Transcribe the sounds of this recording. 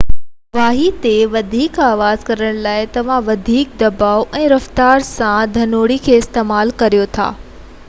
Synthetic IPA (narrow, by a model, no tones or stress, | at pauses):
ʋaːɦit̪eʋɐd̪ʱiːkaːʋaːzkɐɾəɽ̃laːɪt̪ɐʋ̤ãʋɐd̪ʱiːk̚d̪ɐbaːoʔɛ̃ːɾɐft̪aːɾsãd̪ʱɐnoːɽikʰeːɪst̪eːmaːlkɐɾijot̪ʰa̰ː